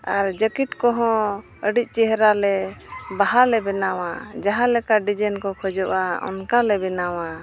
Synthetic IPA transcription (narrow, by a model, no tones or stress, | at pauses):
aɾd͡ʒəkiʈkɔɦɔ̃ | əɖic̚ˀt͡ʃɛɦɛɾalɛbaɦalɛbɛnawad͡ʒaɦãlɛkaɖid͡ʒɛnkɔkʰɔd͡ʒɔʔaɔ̰nkalɛbɛnawa